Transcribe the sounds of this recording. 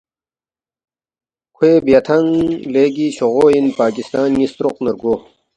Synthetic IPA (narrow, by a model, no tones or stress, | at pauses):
kʰweːbjat̪ʰɐŋleːɡiːɕoʁoːinpaːkist̪aːnjist̪ɾoqnɐɾɡo